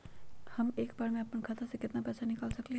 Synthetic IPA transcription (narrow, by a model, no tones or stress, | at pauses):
hɐmeːkbaːɾmẽɐpənkʰat̪ʰasekɪt̪napɛːsanɪkaːlsɐkliɦ